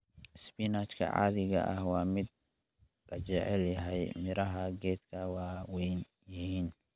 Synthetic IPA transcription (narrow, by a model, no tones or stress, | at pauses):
spinat͡ʃkʰɐ̰ʕa̰ːðɪɣɐ̰ʔɐ̰hwɑːmɪd̪̚ | lɐt͡ʃɛʕɛljɐɦɛjmɪɾɐɦɐɡɛːd̪kʰɐwɑːwɛn | jɪɦiːn